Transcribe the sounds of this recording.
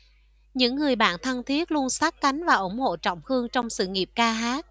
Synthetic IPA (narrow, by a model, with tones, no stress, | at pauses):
ɲɨ̰˧˥ŋːɨ˨˩əjɓa̰ː˧˨nt̪ʰə˧ŋt̪ʰi˦˥ət̚lu˧ənsaː˦˥k̚ka˨˦jŋ̟vaː˨˩ʔʊ˧˩ŋ͡mho̰˧˨t͡ɕɔ̰˧˨wŋ͡mhɨ˧əŋt͡ɕɔ˧wŋ͡msɨ̰˧˨ŋi˨˩əp̚kaː˧ɦaː˦˥t̚